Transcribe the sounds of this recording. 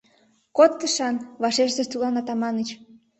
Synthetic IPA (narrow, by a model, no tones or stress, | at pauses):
kot̪ːəʃɑnβɑʃeʃzest̪ulɑnɑt̪ɑmɑnət͡ɕ